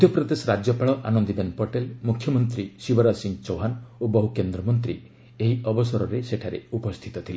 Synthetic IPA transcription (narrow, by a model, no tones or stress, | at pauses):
d̪ʱjɔpɾɔd̪esɔɾad͡ʒjɔpaɭɔʔa̰nɔnd̪ibenpɔʈelmukʰjɔmɔnt̪ɾisibɔɾasiŋt͡ʃoɦanobɔɦukend̪ɾɔmɔnt̪ɾḭ | eɦiɔbɔsɔɾɔɾeseʈʰaɾḛupɔst̪ʰit̪ɔt̪ʰile